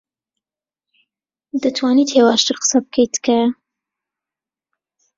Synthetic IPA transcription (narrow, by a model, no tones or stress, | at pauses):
d̪ɨt̪ʰwɑːnit̪heːwɑːʃt̪ɨɾqə̥sab̚kʰəjt̪kʰa